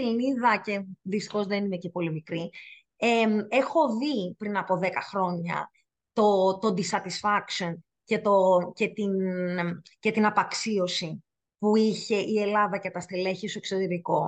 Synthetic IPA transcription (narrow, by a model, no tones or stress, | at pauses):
ilniðɐce̞ðist̪i̥xo̞zðenine̞cepo̞limikɾi | eme̞xo̞vipɾinɐpo̞ðe̞kɐxɾo̞ɲɐ̰ | t̪o̞t̪o̞d̪isɐt̪isfɐkso̞n | ce̞t̪o̞ce̞t̪in | ce̞t̪inɐpɐksio̞si | puiçe̞ʔie̞lɐðɐcet̪ɐst̪eleçesoeksot̪eɾiko̞